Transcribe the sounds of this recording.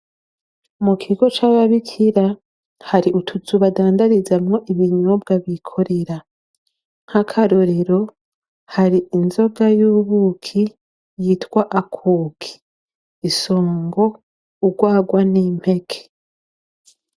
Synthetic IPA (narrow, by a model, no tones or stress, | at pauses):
mukʰiɡo̞t͡ʃaβaβikʰiɾa | haɾiʔutʰuzuβadaːndaɾizamŋo̞ʔiβiɲob̚ɡaβikʰo̞ɾe̞ɾa | ŋ̥hakʰaɾoɾeɾo̞ | haɾiʔinzo̞ɡajuːβukʰi | jitwaʔakʰuːkʰi̥ː | soːŋɡo̞ | uɡwaːɡwanim̥he̞kʰe̥